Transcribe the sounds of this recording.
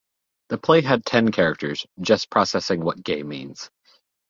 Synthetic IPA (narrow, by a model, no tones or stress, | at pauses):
ðɨpʰl̥eɪɦɨd̚tʰɛ̃nkʰɛɹɨk̚tʰə˞z̥d͡ʒʌspʰɹ̥ɑsɛsɪ̃ŋwʌt̚ɡ̥ẽɪmḭ̃nz̥